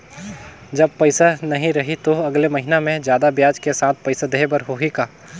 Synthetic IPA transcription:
d͡ʒɐb̚pɐɪsanɐɦĩɾɐɦit̪oɐɡlemɐɦinamẽd͡ʒjaːd̪abjaːd͡ʒkesaːt̪̚ʰpɐɪsad̪eɦbɐɾɦoːɦikaː

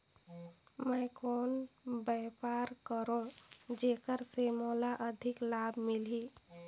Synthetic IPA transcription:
məjkonbɛpaɾkəɾõd͡ʒekəɾsemolaʔəd̪ʱiklabʱmilɦi

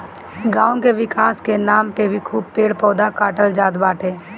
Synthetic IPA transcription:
ɡãːõkeʋɪkaːskenaːmpebʱikʰuːb̚peːɽpɔːd̪akaːʈəld͡ʒaːd̪baːʈʰeː

